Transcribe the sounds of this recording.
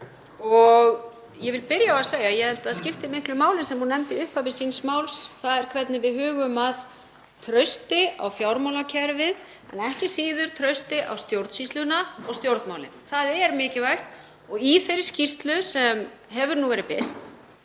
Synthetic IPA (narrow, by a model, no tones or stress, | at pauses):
ɔɣ | jɛvɪlpɪɾjaasaːjajɛhɛlt̪aaðscɪft̪ɪmɪhklʏmaːwlɪnsɛmhunːɛmt̪ɪʏhpavɪsiːnsmawlsθaðɛɾ̥kʰvɛt̪̚nɪvɪðɦʏːɣʏmað | t̪ʰɾœɥst̪ɪa̰wfjawɾmawlacʰɛɾvɪð | ɛ̰nɛhcɪsiːðʏɾ̥t̪ʰɾœɥst̪ɪʔa̰wst̪jowɾt̪sislʏnaɔɣst̪jowɾt̪nmawlɪ̰nθaðɛɾmɪːcɪvajht̪ | ɔɣiθejɾɪ̥scist̪lʏsɛm | ɦɛvʏɾnuvɛːɾɪpɪr̥t̪